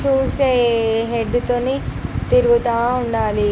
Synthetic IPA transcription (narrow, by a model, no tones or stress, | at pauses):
t͡ʃuːɾseɦeɖːut̪oːnit̪iɾuɡut̪aːuɳɖaːli